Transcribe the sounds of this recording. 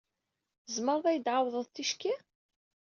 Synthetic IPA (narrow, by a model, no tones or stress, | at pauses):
zməɾˤðæjəd̪ʕawðˤəðˤθiʃki